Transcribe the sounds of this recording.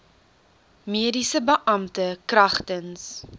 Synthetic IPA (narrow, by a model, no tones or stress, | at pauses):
miədisəbəʔɐmtəkrɐχtəns